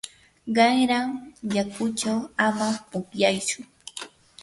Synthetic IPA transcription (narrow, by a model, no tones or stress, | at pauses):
ɢɑjɾaŋjakʊt͡ʃawamapʊkjajt͡ʃʊ